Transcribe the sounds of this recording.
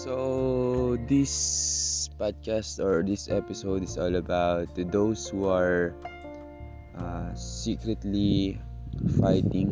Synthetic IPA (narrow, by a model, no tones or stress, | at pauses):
so | d̪ɪs | pad̪̚kast̪ɔɹd̪ɪsɛpɪsoʊd̪ɪsɔlɐbawt̪̚d̪owshuaɹ | ʔasikɾɛt̪li | fajt̪ɪ̃ŋ